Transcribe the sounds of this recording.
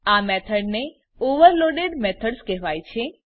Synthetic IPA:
amɛt̪ʰəɖne | oʋəɾloɖeɖmɛt̪ʰəɖskɛɦʋajt͡ʃʰe

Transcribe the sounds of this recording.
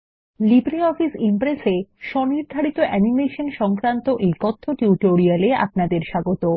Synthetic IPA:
libɾiɔfisimpɾeseʃɔniɾd̪ʱaɾit̪oʔɛnimeʃonʃɔŋkɾant̪oʔejkɔt̪ʰːoʈuʈoɾialea̰pnad̪eɾʃaɡot̪o

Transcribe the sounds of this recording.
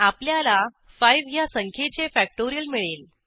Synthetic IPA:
apljala | fajʋjasəŋkʰet͡sefæk̚ʈoɾijəlmiɭel

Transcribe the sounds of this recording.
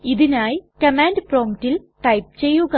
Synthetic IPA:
iðinaːjkɐmaːndproːmitːilʈɐjp̚t͡ɕe̞jːuɣɐ

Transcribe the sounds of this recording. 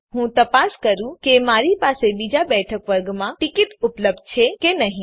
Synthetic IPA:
ɦũt̪ɐpaskəɾũkemaːɾipasebid͡ʒabɛʈʰəkʋəɾɡmãʈɪkɪt̪ʊpləb̚d̪̚t͡ʃʰekenəɦĩ

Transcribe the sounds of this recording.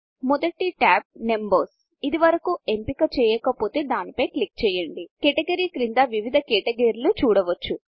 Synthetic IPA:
mɔd̪ɐʈiʈaːb̚ne̞mbɐɾs | id̪iʋɐɾɐkuempikɐt͡ʃɛːjɛːkɐpo̞ːt̪eːd̪aːnipɐjklik̚t͡ʃɛːjɐɳɖikeʈɐɡɐɾiːkɾind̪aːʋiʋid̪ʱɐkeːʈɐɡɐɾlut͡ʃuːɽɐʋɐt͡ʃːu

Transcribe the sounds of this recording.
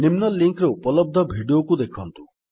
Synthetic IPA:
nimnɔlːiŋkɾopɔlɔb̚d̪ʱɔbʱiɖijokud̪ekʰɔnt̪u

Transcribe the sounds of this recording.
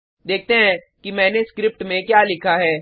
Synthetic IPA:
d̪eːk̚ʰt̪eɦɛ̃ | kimɛ̃ːneskɾɪp̚ʈmẽkjaːlɪkʰaɦɛː

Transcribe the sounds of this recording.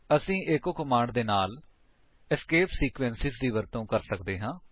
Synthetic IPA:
əsĩːʔɪkoːkəmaːɳɖd̪eːnaːl | ɪskeːpsiːkʋɛːnsɪzd̪iːʋəɾt̪õːkəɾsəkd̪eːɦãː

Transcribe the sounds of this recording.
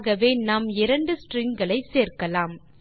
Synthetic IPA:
ɣɐʋeːnaːmɪɾɐɳɖɯsʈriŋɡɐɭɐɪseːrkɐlaːm

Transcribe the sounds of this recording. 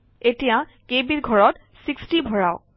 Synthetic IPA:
etijã | kebiɹɡʱɔɹɔt | sikstibʱɔɹaʊ

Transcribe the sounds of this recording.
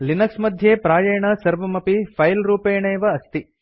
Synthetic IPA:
linɐksmɐd̪ʱjeːpɾaːjɐjɐɳɐsɐɾʋɐmɐpipʰɐjlɾuːpeːɳeːʋɐːst̪i

